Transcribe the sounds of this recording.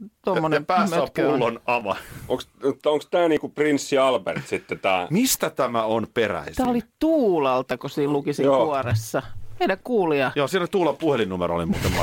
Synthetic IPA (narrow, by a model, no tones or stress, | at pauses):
t̪ommːonempæːsøæpuːlonɑʋɑʔoŋksut̪ːoŋkst̪æːniːkuprinsːiɑlpert̪sit̪ːet̪æːmist̪æt̪æmæonperæ̰ist̪æːolit̪uːlɑlt̪ɑkosiːllukisioːuoresːɑmeilækkuːliɑjoːsiːnæt̪uːlɑpuhelinumeɾoo̰limuːt̪emːɑ̰